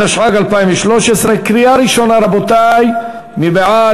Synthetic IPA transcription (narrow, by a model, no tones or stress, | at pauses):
aʃʕaɡalpaimveʃloʃesʁekɾijaɾiʃo̞naɾabot̪aj | mibeʕa